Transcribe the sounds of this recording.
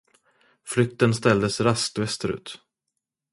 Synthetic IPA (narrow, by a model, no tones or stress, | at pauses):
flʏk̚t̪ənst̪ɛld̪əsɾast̪vɛst̪əɾʉ̟̰ːt̪